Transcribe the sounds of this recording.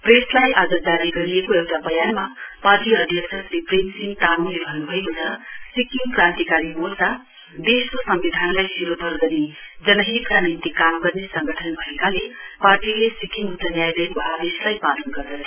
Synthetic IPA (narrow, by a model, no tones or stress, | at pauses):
preslajʔad͡zʌd͡zaɾiɡʌɾiekoewʈabʱʌjanmaparʈiʌd̪ʱjʌksʰʌsripremsiŋt̪anulebʱʌnːubʱʌekot͡sʰʌsikiŋkrãnt̪ikaɾimosa | d̪eskosʌmbid̪ʱanlajsiɾot̪ʌɾɡ̪ʌne | d͡zʌnʌɦit̪kanint̪ikamɡʌrnesʌŋɡʱʌʈʰʌnbʱʌekaleparʈilesikiŋɡut͡sʌnjajd̪ʌbʌɦad̪eslajpalʌnɡʌrd̪ʌsʰʌ